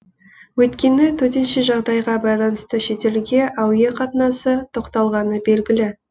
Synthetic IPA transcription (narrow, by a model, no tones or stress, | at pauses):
wɵt̪kʲe̞nɪt̪ʰɵt̪e̞nʃeʒɑʁd̪ɑjʁɑbɑjlˠɑnəst̪əʃe̞t̪e̞lɡʲe̞ʔɑwjeqʰɑt̪ənɑsət̪ʰo̞qt̪ɑlˠʁɑnəbe̞lɡʲɪlɪ